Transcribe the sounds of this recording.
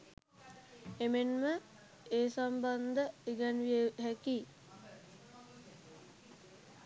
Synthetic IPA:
emenmə | eːsamband̪əiɡanʋieɦæki

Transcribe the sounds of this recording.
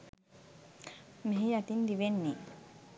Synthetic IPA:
meɦiat̪ind̪iʋenːe

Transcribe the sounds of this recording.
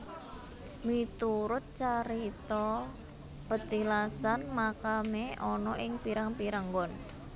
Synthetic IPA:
mit̪uɾʊt̪̚t͡ʃaɾit̪ɔ | pət̪ilasanmakameʔɔnɔʔɪŋpiɾaŋpiɾaŋɡɔn

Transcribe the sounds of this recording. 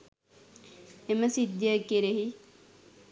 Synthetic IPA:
eməsid̪jəkeɾeɦi

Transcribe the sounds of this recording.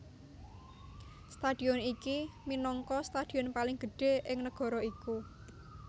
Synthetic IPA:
st̪ad̥i̤ɔnikiminɔŋkɔst̪ad̥i̤ɔnpalɪŋɡ̥ə̤ɖ̥e̤ʔɪŋnəɡ̥ɔ̤ɾɔiku

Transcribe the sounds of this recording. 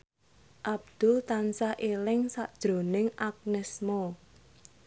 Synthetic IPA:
ʔab̚d̪̥ult̪ansaʔelɪŋsaʔd̥ʒ̥ɾo̤nɪŋʔak̚nɪsmo

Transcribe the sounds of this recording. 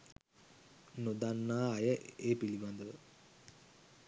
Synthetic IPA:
nod̪anːaːjəeːpilimand̪əʋə

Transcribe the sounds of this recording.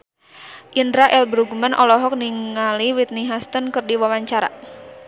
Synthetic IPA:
ʔindɾaʔɛlbɾuɡmənʔɔlɔɦɔk̚niŋːaliwit̪̚niɦast̪ənkərdiwawaɲt͡ʃaɾa̰

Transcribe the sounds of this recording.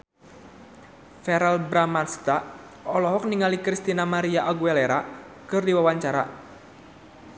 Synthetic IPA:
fɛɾalbɾamanst̪a | ɔlɔɦɔk̚niŋalikɾist̪inamaɾiaʔaɡuɛlɛɾa | kɨrdiwawaɲt͡ʃaɾa̰

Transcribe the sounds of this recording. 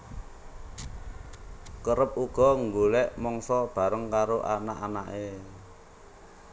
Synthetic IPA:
kəɾəp̚uɡ̥ɔ̤ŋɡolɛʔmɔŋsɔb̥a̤ɾəŋkaɾoʔanaʔanaʔe

